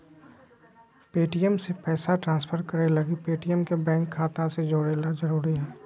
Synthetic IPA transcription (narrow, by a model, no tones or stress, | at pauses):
peːʈijəmsepɛːsaʈɾãːnspʰəɾkəɾelɐɡipeːʈijəmkebɛ̃ːŋkʰːaːt̪ãsed͡ʒoːɽeːlazəɾuːɾiɦɛː